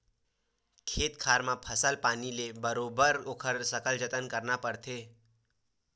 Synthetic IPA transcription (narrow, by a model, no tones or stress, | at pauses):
kʰeːt̪kʰaːɾmãpʰəsəlpaːnilebəɾoːbəɾoːkʰəɾsəkəld͡ʒət̪ənkəɾnapəɾt̪ʰeː